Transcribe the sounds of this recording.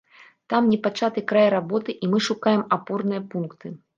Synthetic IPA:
t̪amnʲɛpat͡ʂat̪ɨkɾajɾabɔt̪ɨʔimɨʂukajɛmapɔrnɨjɐpunkt̪ɨ

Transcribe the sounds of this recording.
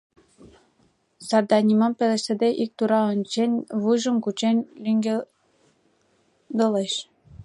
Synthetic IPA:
sɑrd̪ɑnʲimɑmpĕlʲĕʃsɘ̆d̪eʔik̚t̪uɾɑɤ̆nʲt͡ɕenʲβuʒɤ̆mkut͡ɕenʲlʲyŋɡʲe | d̪ɤ̆leʃ

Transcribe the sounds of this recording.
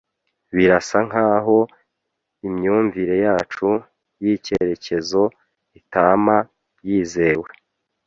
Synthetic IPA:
βiɾasaŋ̥aːɦo̞ | imɲuːɱviɾe̞jaːt͡ʃu | jiːce̞ɾe̞ce̞zo̞ | itaːma | jiːze̞we

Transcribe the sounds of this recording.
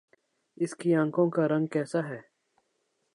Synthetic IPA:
ɪskiːãːŋkõːkaːɾə̃ŋɡ̚kɛːsaːɦɛː

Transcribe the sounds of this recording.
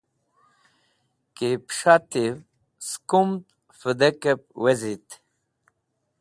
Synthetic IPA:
kepʂat̪iw | skumt̪ | fəd̪ekep̚wezit̪

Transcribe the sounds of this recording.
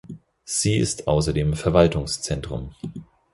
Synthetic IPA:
z̥iːɪ̰stʔa̰ʊsɐdeːmfɛɐvaltʊŋst͡sɛntʁ̥ʊ̰m

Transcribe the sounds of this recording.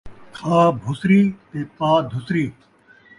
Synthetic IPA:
kʰaːbʱʊsɾiːt̪eːpaːd̪ʱʊsɾiː

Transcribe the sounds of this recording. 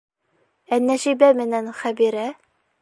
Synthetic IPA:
ænːæʃibæmɘ̆nænχæbiɾæ

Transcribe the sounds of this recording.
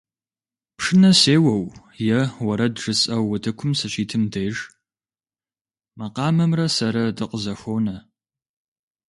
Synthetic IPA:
pʂɨnɐseːwɐw | jɛwɐɾɐdʐɨsʼɐwːɐtʰɨkʷʰʊmsɐɕiːtʰɨmdejʒ | mɐqɑːmɐmrɐsɐɾɐdɨqəzɐxʷownɐ

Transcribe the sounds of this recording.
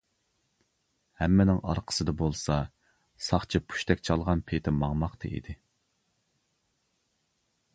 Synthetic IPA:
hæmːɪnɪŋɑ̰ɾqʰə̥sɨd̪ɑbolˠsɑ | sɑχt͡ʃʰipʰu̥ʃt̪ʰɛkʲt͡ʃʰɑlˠʁɑnpʰet̪ʰɪmɑŋmɑqt̪ʰɨ̰ʔḭd̪ɪ

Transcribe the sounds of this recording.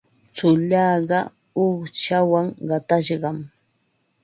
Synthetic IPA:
t͡sʊʎɑːɢɑ | ʊχt͡ʃawaŋɢɑt̪aʃɢɑm

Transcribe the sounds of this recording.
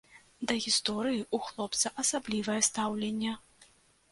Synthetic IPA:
d̪ɐɣʲist̪ɔɾɨjiʔuxlˠɔpt̪sɐʔɐsablʲivɐjɛst̪awlʲenʲːɛ

